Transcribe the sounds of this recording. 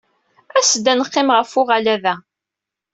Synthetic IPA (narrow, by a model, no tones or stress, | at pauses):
æsəd̪ːænəqːɪmʁəfʊʁalæðæ